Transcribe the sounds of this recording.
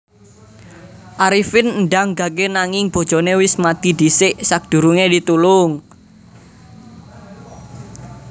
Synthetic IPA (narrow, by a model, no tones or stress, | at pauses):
ʔaɾifɪnnɖaŋɡa̤kenaŋɪŋb̥o̤d̥ʒ̥ɔ̤newɪsmat̪id̪̥isɪʔsak̚d̪̥ṳɾuŋedit̪ulʊŋ